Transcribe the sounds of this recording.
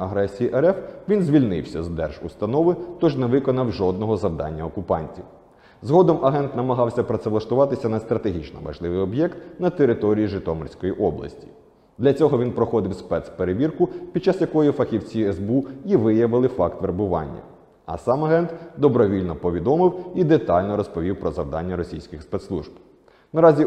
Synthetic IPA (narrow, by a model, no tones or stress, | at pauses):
ɐɦɾɛsʲijiʔɛɾɛfʋʲinzʲʋʲilʲnɪwsʲɐzd̪ɛ̰rʒʊst̪ɐnɔʋɪt̪ɔʒneʋɪkɔnɐwʒɔd̪̚nɔɦɔzɐwd̪ɑ̰nʲːɐɔkʊpɑ̰nʲtʲiw | zɦɔd̪ɔmʔɐɦɛnt̪nɐmɐɦɑwsʲɐpɾɐt̪sɛʋlˠɐʃt̪ʊʋɑt̪ɪsʲɐnɐst̪ɾɐt̪eɦʲit͡ʃnɔʋɐ̰ʒlˠɪʋɪjɔbjɛkt̪nɐt̪eɾɪt̪ɔɾʲijiʒɪt̪ɔmɔrʲsʲkɔjiʔɔblˠɐ̰sʲtʲi̥ | d̪lʲɐt͡sʲɔɦɔʋʲinpɾɔxɔd̪ɪwspɛt̪speɾeʋʲirkʊpʲid̪t͡ʃɑsjɐkɔjifɐxʲiwt͡sʲiɛzbuiʋɪjɐʋɪlˠɪfɑkt̪ʋeɾbʊʋɑ̰nʲːɐ̰ | ɐ̰sɑmɐɦɛnt̪d̪ɔbɾɔʋʲilʲnɔpɔʋʲid̪ɔmɪwid̪et̪ɑlʲnɔɾɔspɔʋʲiwpɾɔzɐwd̪ɑ̰nʲːɐɾɔsʲijsʲkʲɪxspɛt̪slˠṵʒb | nɐɾɑzʲi